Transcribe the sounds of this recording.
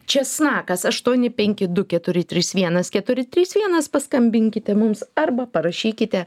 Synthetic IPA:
t͡ʃʲɛsnɑːkɐsɐʃt̪uɔnʲɪpʲɛŋʲkʲɪd̪ʊkʲɛt̪ʊɾʲɪt̪ʲɾʲiːsʋʲiɛnɐskʲɛt̪ʊɾʲɪt̪ʲɾʲiːsʋʲiɛnɐspɐskɐmʲbʲɪŋʲkʲɪt̪ʲɛmʊmsɐɾbɐpɐɾɐʃʲiːkʲɪt̪ʲɛ

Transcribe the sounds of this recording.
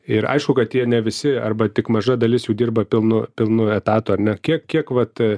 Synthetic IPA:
ɪɾɐ̰ɪʃkʊkɐt̪jiɛnʲɛʋʲɪsʲɪɐ̰rbɐt̪ʲɪkmɐʒɐd̪ɐlʲɪsjuːdʲiːrbɐpʲɪlˠnʊpʲɪlˠnʊɛt̪ɑːt̪ʊɐɾʲnʲɛkʲiɛkkʲiɛkʋɐt̪

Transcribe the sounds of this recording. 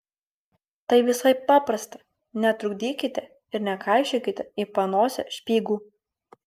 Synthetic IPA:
t̪ɐɪʋʲɪsɐɪpːɑːpɾɐst̪ɐ | nʲɛt̪ɾʊɡd̪ʲiːkʲɪt̪ʲɛ | ɪɾnʲɛkɑˑɪʃʲekʲɪt̪ʲɛiːpɐnoːsʲɛ̰ʃʲpʲiːɡuː

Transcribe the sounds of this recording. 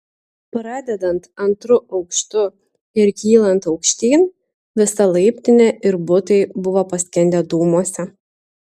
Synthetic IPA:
pɾɑːd̪ʲɛd̪ɐnt̪ɐnt̪ɾʊʔɒʊkʃt̪ʊ | ɪɾkʲiːlˠɐnt̪ɒʊkʃʲt̪ʲiːn | ʋʲɪsɐlˠɐɪpʲt̪ʲɪnʲɛʔɪɾbʊt̪ɐɪbʊʋoːpɐsʲkʲɛnʲd̪ʲɛd̪uːmuɔsʲɛ

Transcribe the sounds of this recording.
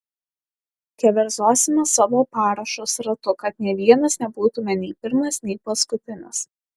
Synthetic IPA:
kʲɛʋʲɛɾzoːsʲɪmʲɛsɑːʋoːpɑːɾɐʃosɾɐt̪ʊkɐt̪nʲiɛʋʲiɛnɐsnʲɛbuːt̪ʊmʲɛnʲɛɪpʲɪɾmɐsnʲɛɪpɐskʊt̪ʲɪnʲɪs

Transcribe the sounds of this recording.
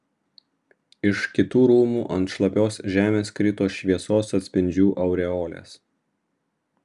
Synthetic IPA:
ɪʃkʲɪt̪uːɾuːmuːʔɐnt̪ʃlˠɐpʲoːsʒʲæːmʲeːskɾʲɪt̪oːsʃʲʋʲiɛsoːsɐt̪ʲsʲpʲɪnʲd͡ʒʲuːʔɐʊɾʲɛoːlʲḛːs

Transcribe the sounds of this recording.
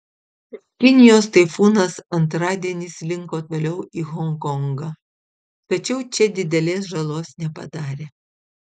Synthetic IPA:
kʲɪnʲɪjoːst̪ɐɪfuːnɐsɐnt̪ɾɑːd̪ʲiɛnʲɪslʲɪŋkoːt̪oːlʲɛʊiːɣɔŋkɔŋɡɐ | t̪ɐt͡ʃʲɛʊt͡ʃʲɛd̪ʲɪd̪ʲɛlʲeːs̬ʒɐlˠoːsnʲɛpɐ̰d̪ɑːɾʲeː

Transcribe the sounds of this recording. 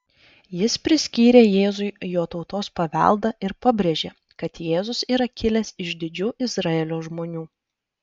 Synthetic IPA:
jɪspʲɾʲɪsʲkʲiːɾʲeːjeːzʊɪjoːt̪ɒʊt̪oːspɐʋʲɛ̰ˑlˠˑd̪ɐʔɪɾpɐbʲɾʲeʒʲeː | kɐt̪jeːzʊsiːɾɐkʲɪlʲɛsɪʒd̪ʲɪd͡ʒʲuːʔɪzɾɑeːlʲoːʒmoːnʲuː

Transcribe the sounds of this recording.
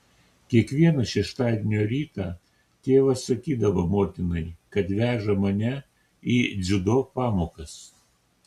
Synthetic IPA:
kʲiɛkʋʲiɛnɐʃʲɛʃt̪ɑːd̪ʲenʲoːɾʲiːt̪ɑː | t̪ʲeːʋɐsɐkʲiːd̪ɐʋɐmoːt̪ʲɪnɐɪkɐt̪ʋʲæːʒɐmɐnʲɛ | iːd̪zʲʊd̪oːpɑːmoːkɐs

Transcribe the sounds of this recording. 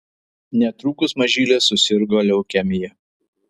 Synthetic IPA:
nʲɛt̪ɾuːkʊsmɐʒʲiːlʲeːsʊsʲɪɾɡoːlʲɛʊkʲɛmʲɪjɛ

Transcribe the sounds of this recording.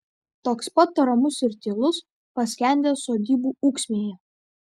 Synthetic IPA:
t̪oːkspɐt̪̚pɐɾɐmʊsɪɾt̪ʲɪːlˠʊs | pɐsʲkʲɛˑnʲd̪ʲeːsoːd̪ʲiːbuːuːksʲmʲeːjɛ

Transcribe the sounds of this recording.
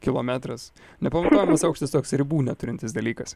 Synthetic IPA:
kʲɪlˠoːmʲæːt̪ɾɐs | nʲɛpɐmɐt̪oːjɛmɐsɐʊkʃʲt̪ʲɪst̪oːksɾʲɪbuːnʲɛt̪ʊɾʲɪnʲt̪ʲɪsd̪ɐlʲiːkɐs

